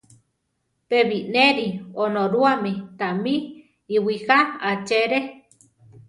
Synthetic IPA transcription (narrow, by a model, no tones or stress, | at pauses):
peβineɾionõɾuamit̪amĩː | wihaat͡ʃeɾe